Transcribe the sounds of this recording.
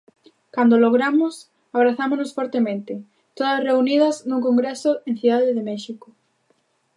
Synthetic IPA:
kand̪oloɣ̞ɾamʊs | aβ̞ɾaθamonosfɔɾt̪emẽnt̪ɪ | t̪oðɐsreunið̞ɐznuŋkoŋɡɾesoen̟θuðaðeðemɛʃiko

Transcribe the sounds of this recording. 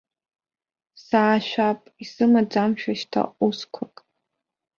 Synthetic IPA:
saːʃᶣʷapʼisɨmad͡zamʃᶣaʃtʰa̰uskʷʰakʼ

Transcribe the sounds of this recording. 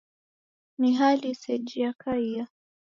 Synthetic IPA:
miɦalisɛd͡ʒiakʰaia

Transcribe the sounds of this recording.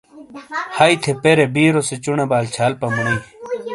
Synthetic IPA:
hait̪ʰepeɾebiːɾoset͡ɕuɳebaːlt͡ɕʰaːlpɐmuni

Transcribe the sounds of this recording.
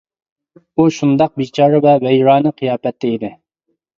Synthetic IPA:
uʃund̪ɑq̚bit͡ʃʰɑːɾɨwɛwɛjɾɑːnɨqʰɨjɑːpɛt̪ʰːɛid̪ɪ

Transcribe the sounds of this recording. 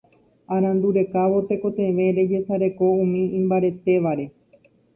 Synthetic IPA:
ãɾ̃ãnd̪uɾe̞kaʋo̞t̪e̞ko̞t̪ẽ̞ʋẽ̞ɾe̞d͡ʒe̞saɾe̞ko̞ũmĩĩmbaɾe̞t̪e̞ʋaɾe̞

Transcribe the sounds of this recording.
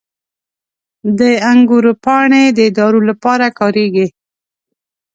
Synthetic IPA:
d̪əaŋɡuɾpɑɳed̪əɪd̪ɑɾolapɑɾakɑɾeɡi

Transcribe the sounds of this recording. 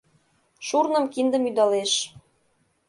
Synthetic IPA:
ʃurnəmkind̪ə̆myd̪ɑleʃ

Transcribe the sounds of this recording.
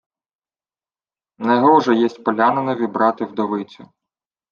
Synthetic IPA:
nɛɦɔʒɛjɛsʲtʲpɔlʲanenɐʋʲibɾɑt̪ɪwd̪ɔʋɪt͡sʲʊ

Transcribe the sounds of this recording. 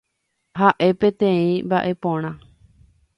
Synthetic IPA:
ɦaʔe̞pẽt̪ẽ̞ĩmbaʔe̞põɽ̃ã

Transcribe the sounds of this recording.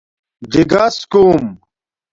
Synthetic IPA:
d͡ʑiɡaskuːm

